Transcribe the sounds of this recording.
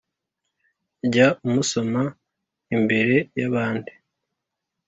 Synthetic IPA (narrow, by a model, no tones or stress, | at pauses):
ɟaumuso̞ma | imbe̞ɾe̞jaβaːndi